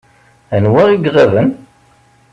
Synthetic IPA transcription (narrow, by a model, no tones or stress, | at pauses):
ænwæʁiɡʁævən